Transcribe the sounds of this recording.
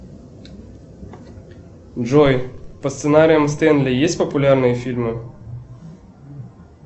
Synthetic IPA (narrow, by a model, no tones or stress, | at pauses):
dʐɔjpɐst̪sɨnaɾʲɪjəmst̪ɛnd̪lʲɪjesʲtʲpəpʊlʲarnɨjəfʲilʲmɨ